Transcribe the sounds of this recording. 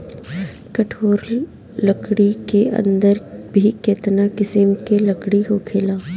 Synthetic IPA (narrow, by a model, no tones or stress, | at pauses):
kɐʈʰoːɾ | ləkɽikeɐ̰̃nd̪əɾbʱiket̪nakɪsɪmkelɐkɽiɦokʰeːlaː